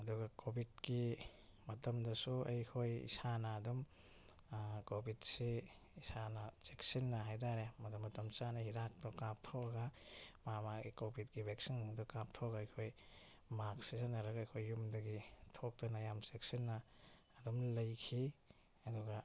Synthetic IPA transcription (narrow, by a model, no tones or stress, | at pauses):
ɐduɡɐkʰobʱit̚kimɐtɐmdɐsuɐjkʰojḭsanɐːdɔm | kobʱit̚se | isanɐseksinːɐɦajdaɾemɐtɔmːɐtɐmsanɐhidak̚tɔkap̚tʰoɐɡamamaɡikobʱit̚kibʱeksindɔkap̚tʰoɡaːjkʰoj | mak̚sisanaɾɐɡɐjkʰojːumdɐɡitʰok̚tɐnajamsek̚sinːɐː | dɔmlɐjkʰi | ɐduɡa